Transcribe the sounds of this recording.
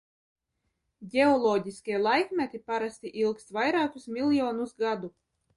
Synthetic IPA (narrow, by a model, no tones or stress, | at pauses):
ɟʲeɔlˠɔːɟʲiskʲiɛlˠajkmʲɛt̪ʲipaɾast̪ʲiʔilˠkst̪vajɾaːkusmʲilʲˠjɔːnusɡad̪u